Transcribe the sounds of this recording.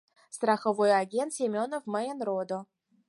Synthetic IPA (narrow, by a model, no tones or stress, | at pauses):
st̪rɑxovojaɡʲent̪sʲemʲonovməjənrod̪o